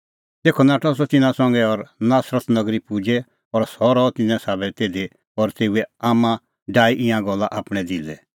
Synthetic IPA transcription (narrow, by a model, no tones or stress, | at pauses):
t̪eːkʰɔnaːʈɔs̬ɔt̪ɪnãsɔ̃ŋɡɛɔɾnaːsɾət̪nɐɡɾipud͡ʒɛ | ɔɾsɔɾɔt̪ɪnãsaːbɛt̪eːd̪e | ɔɾt̪eːuɛaːmã | ɖaːiʔɪ̃ãɡɔlːaʔaːpɽ̃ɛd̪ɪlɛ